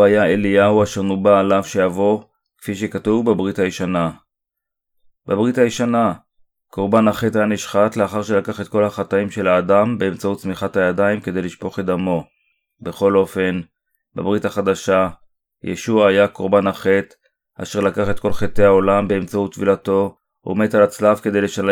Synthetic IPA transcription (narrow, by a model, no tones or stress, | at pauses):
ajaelijauaʃeʁnubaːlavʃejavo̞ | kfiʃekatuvbebʁitajiʃana | babʁitajiʃana | ko̞ʁbanaχethajaniʃχatleaχaʁʃelakaχe̞t̪̚ko̞lhaχataimʃe̞laːdambeːmt͡sautt͡smiχathajadaimkede̞jliʃpo̞χed̪amo̞ | be̞χo̞lo̞fe̞n | ba̰bʁitaχad̪aʃa | jḛʃuaːjako̞ʁbanaχe̞t̪ | a̰ʃeʁlakaχe̞t̪̚ko̞lχet̪e̞ao̞lambeːmt͡saut̪ːvilato̞ | o̰me̞t̪alat͡slavke̞d̪e̞jleʃa